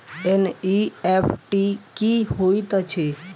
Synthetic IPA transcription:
eniefʈikihoit̪ət͡ʃʰe

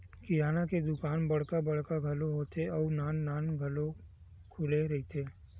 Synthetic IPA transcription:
kijaːnaked̪ʊkaːnbɐɽ̤kabɐɽ̤kaɡʱɐloɦoːt̪eɔːnaːnːaːnɡʱɐlo | kʰʊleɾɐɦit̪ʰeː

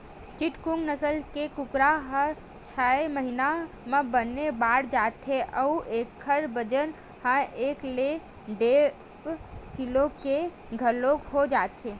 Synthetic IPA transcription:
t͡ʃiʈkuŋɡnəsəlkekʊkɾaɦə | t͡ʃʰaeməɦina | mẽbənːebaːɽd͡ʒat̪ʰɦeʔəuʔekʰːəɾbəd͡ʒən | hãeːkle | ɖe | kkiloke | ɡʱəlokhod͡ʒaːt̪ʰeː

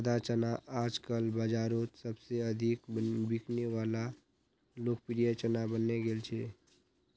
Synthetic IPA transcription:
d̪at͡ʃənaʔaːd͡ʒkəlbəd͡ʒaːɾot̪səbseəd̪ʱikbikʰneʋaːla | loːk̚pɾijət͡ʃənabənːeɡeːlt͡ʃʰeː

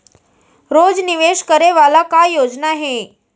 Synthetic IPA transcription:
ɾod͡zniʋeʂkəɾeʋalakajod͡znaɦe

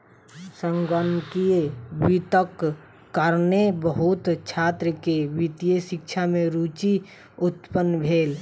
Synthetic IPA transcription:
səŋɡənkiewit̪əkː | əɾnebəɦut̪t͡ʃʰaːt̪ɾəkewit̪ijeʃɪkt͡ʃʰamẽɾut͡ʃi | ʊt̪pənːbʱeːl

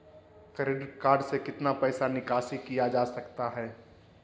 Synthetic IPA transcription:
kəɾeɖəɾkaːɾɖsekɪt̪napɛːsanɪkaːsikijad͡ʒaːsɐkt̪aɦɛː

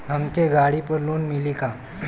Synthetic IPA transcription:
ɦəmkeɡaɽipəɾloːnmilika

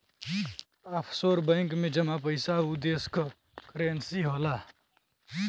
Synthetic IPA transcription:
ɐpʰsoːɾbɐ̃ɪŋkmẽd͡ʒɐmapəjsaud̪eːsk | kɾeːnsiːɦoːlaː

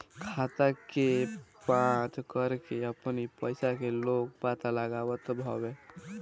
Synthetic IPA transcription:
kʰat̪akepãt͡ʃkəɾkeəpnipəjsakelok̚pat̪aləɡabət̪bʱɔbe

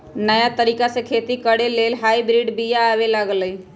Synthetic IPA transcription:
nəjat̪əɾiːkasẽkʰet̪ikəɽeleːlɦaibɾiɖbijaːʋelaɡli

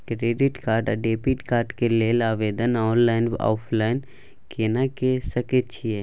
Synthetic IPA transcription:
kɾeːɖɪʈkaːɾɖɖeːpiʈkaːɾɖkelelaːʋeːd̪ənɔːnlaːɪnɔ̰ːpʰlaːɪn | keːnakesəket͡ʃʰiɛː

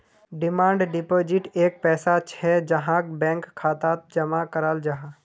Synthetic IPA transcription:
ɖɪmãːɳɖɖɪpoːd͡ʒɪʈeːk̚pɛːsat͡ʃʰɛd͡ʒɐɦãkbɛ̃ːŋkʰːaːt̪at̪̚d͡ʒɐmakəɾald͡ʒaɦã

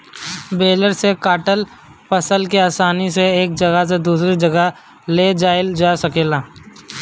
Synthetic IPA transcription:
beːləɾsekaːʈəl | pɐsəlk̬eaːsaːniseeːk̚d͡ʒɐɡəs̬ed̪uːsɾid͡ʒɐɡə | led͡ʒaːɪld͡ʒaːsɐkeːlaː

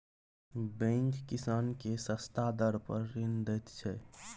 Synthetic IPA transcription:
bɛ̃ŋkːɪsaːnkesəst̪ad̪əɾpəɾːɪnd̪ɛt̪t͡ʃʰɛ

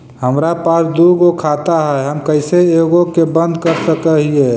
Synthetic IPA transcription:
həmɾapaːsd̪uːɡokʰat̪aɦɛɦəmkəɪseeɡokebə̃nd̪kəɾsəkəɦie

